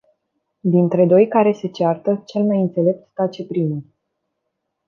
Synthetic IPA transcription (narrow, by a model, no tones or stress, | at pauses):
d̪int̪ɾe̞d̪o̞jkaɾe̞se̞t͡ʃeart̪ət͡ʃe̞lmajɨnt̪se̞le̞p̚t̪k̪at͡ʃe̞pɾimu